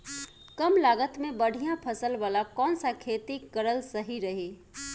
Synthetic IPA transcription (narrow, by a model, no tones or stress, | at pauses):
kəmlaːɡət̪mẽbəɽ̤ʱijãpʰəsəlʋaːlakɔːnsakʰet̪ikəɾəlsəɦiɾəɦe